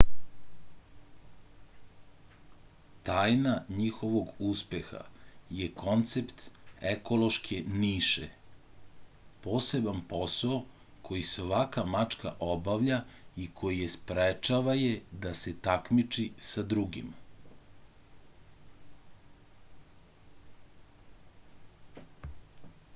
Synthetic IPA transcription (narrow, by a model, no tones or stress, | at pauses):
t̪aːjnaɲixo̞ʋo̞ɡuspe̞xa̰jeko̞nt̪se̞pt̪eko̞lo̞ʃkʰeniːʃe | po̞ːse̞banpo̞sao | kʰo̞jisoʋakamat͡ʃkaʔo̞baʋʎaikʰo̞jijespɾet͡ʃaʋaje̞d̪ase̞t̪akmit͡ʃisad̪ɾuɡḭm